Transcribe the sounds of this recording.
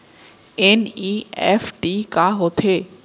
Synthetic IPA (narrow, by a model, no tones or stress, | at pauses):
eniːɛfʈikaɦot̪ʰeː